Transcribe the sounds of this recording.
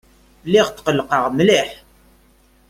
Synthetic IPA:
liʁt̪qəlːqəʁmliħ

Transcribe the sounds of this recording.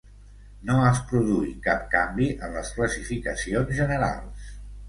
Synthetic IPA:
noəspɾuðuikap̚kambiʔənləskləsifikəsionzʒənəɾa̰lˠs

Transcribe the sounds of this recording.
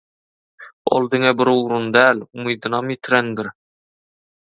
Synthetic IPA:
ɒ̰lˠd̪ɘŋæbɪɾuɾund̪ælumujd̪ɨ̆nɑmjit̪ʰɾænd̪ɪɾ

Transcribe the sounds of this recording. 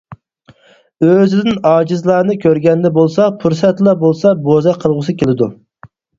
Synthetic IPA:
øzɪd̪ɪnɑːd͡ʒizlˠɑːnɨkʲʰøɾɡʲɛnd̪ɛbolˠsɑpʰuɾsɛt̪lˠɑbolˠsɑbozɑqʰəlˠʁʊsɨkʲelɪd̪u

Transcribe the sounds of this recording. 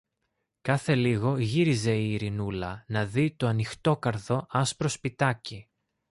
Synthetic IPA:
kɐθe̞liɣo̞ʝiɾize̞iːɾinulɐnɐðit̪o̞ɐnixt̪o̞kɐɾθo̞ʔɐspɾo̞spit̪ɐci

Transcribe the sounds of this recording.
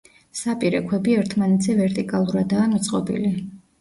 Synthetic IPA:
sapʼiɾɛkʰwɛbiɛɾt̪ʰmanɛt̪ʰzɛvɛɾt̪ʼikʼalˠuɾad̪aːmit̪sʼqʼɔbḭli

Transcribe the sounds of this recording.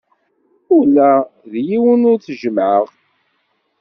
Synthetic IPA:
ʊlːæðjiwənʊɾθʒəmʕəʁ

